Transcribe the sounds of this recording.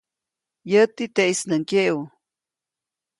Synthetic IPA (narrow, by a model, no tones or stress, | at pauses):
jət̪it̪eʔisnəŋkeʔw